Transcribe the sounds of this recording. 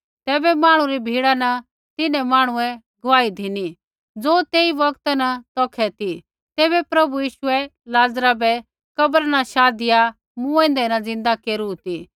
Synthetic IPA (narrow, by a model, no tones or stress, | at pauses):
t̪ɛːbɛmaːɽ̃ũɾibʱiːɽanɐ | t̪ɪnɛ̃maːɽ̃ʊ̃ɛ̃ | ɡɐʋaːid̪ʱɪni | d͡zoːt̪eːiʋɐkt̪nɐt̪ɔːkʰɛt̪i | t̪ɛːbɛpɾɐbujiːʃʊɛ | laːd͡zɾabɛ | kɐbəɾnaʃaːd̪ɪja | mũɛ̃ːnd̪ɛnɐd͡zɪ̃nd̪akeːɾut̪i